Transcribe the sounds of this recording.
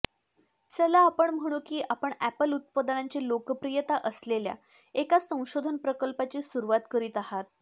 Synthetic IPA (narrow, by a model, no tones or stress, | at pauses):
t͡səlaːpəɳm̤əɽ̃ukiːʔapəɳæpəlut̪̚pəd̪ɳaɲt͡ɕelokəpɾijət̪aʔəslelja̰ | ekasə̃w̃ɕod̪ʱənpɾəkəlpat͡ɕiːsuɾuʋat̪kəɾiːt̪aɦat̪̚